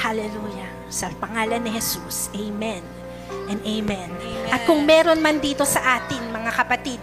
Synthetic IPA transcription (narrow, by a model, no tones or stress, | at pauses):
halɛlujɐ | sɐpɐŋaːlɐnːɪhɛsusʔejmɛn | ʔɛnʔejmɛnʔɐt̪̚kʊŋmɛːɾo̞nmɐnd̪iːt̪o̞sɐʔaːt̪ɪŋmɐŋakɐpɐt̪id̪̚